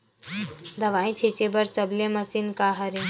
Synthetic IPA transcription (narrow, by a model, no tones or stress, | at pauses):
d̪ɐʋãːĩt͡ʃʰit͡ʃebɐɾt͡sɐblemɐsinkaɦɐɾi